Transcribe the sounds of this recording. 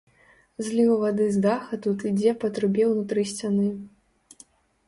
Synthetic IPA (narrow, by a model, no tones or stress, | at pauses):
zʲlʲiuvad̪ɨzd̪axɐt̪ut̪id͡zʲɛpɐt̪ɾɨbʲɛwnut̪ɾɨsʲt͡sʲanɨ